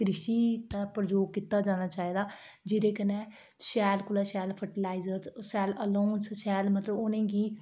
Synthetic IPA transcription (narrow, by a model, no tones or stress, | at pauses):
kɾɪʃiːt̪apəɾd͡ʒoːɡkit̪aːd͡ʒaːñaːt͡ʃaːiːd̪aː | d͡ʒɪɾeːkənɛː | ʃɛːlkʊlɛːʃɛːlpʰəʈɪlaːɪzəɾssɛːləloːnsʃɛːlmət̪ləbonẽːɡiː